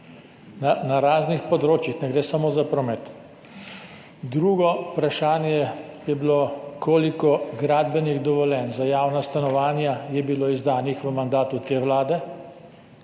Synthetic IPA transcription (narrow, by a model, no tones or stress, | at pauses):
nanaɾaːznixpɔd̪ɾoːt͡ʃjixnɛɡɾeːsamoːzapɾɔmɛt̪ | d̪ɾuːɡɔpɾaʃaːnjɛjɛbilokoːlikɔɡɾaːd̪bɛniɣd̪ɔʋɔljɛːnzajaːwnast̪anɔʋaːnjajɛbiloːizd̪aːnixʋəmand̪aːt̪ut̪eːʋlaːd̪ɛ